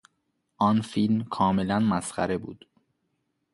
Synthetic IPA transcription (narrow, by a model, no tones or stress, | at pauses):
ʔɒːnfilmkʰɒːme̞lænmæsχæ̰ɾe̞bṵːd̪̥